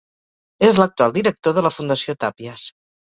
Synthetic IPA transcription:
ezlək̚t̪ualˠd̪iɾək̚t̪oðələfund̪əsiot̪apiəs

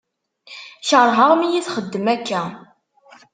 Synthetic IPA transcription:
çəɾˤɦəʁmijiθχəd̪ːəmækʰːæ

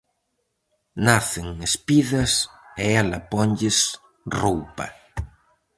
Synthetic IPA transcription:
naθɪŋespiðɐsɛɛlɐpɔɲʎɪs | rowpɐ̰

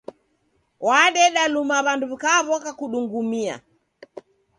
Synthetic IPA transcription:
waɗɛɗalumaβanduβikaβɔkakuɗuŋɡumia̰

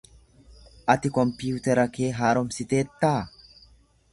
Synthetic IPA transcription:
ʔɐt̪ɪkɔmpɪjuːt̪ɛɾɐke̞ːɦaːɾɔmsɪt̪e̞ːt̪ːaː

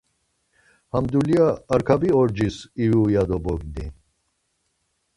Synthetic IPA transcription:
hamd̪ulijaːɾkʰabiɔɾd͡ʒisiwujad̪ɔbɔɡni

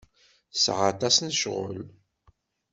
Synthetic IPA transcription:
sʕat̪ˤɑsnʃʁə̰l

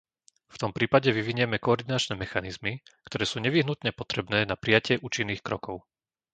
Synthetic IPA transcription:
ft̪ɔmpɾiːpaɟɛʋiʋiɲɪɛmɛkɔɔɾd̪inat͡ʃnɛːmɛxanizmikt̪ɔɾɛːsuːɲɛʋiɦnut̪ɲɛpɔt̪ɾɛbnɛːnapɾijacɪɛʔuːt͡ʃinːiːxkɾɔ̰kɔʊ

